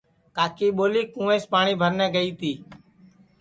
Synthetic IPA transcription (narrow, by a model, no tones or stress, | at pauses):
kaːkiːɓoːliːkũːẽːspaːɳiːbʱəɾnɛ̃ːɡəiːt̪iː